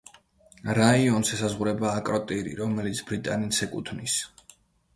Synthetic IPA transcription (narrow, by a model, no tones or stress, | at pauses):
ɾaiɔnsɛsazʁuɾɛbaːkʼɾɔt̪ʼiɾḭɾɔmɛlit̪sʰb̥ɾit̪ʼa̰nit̪sɛkʼut̪ʰnis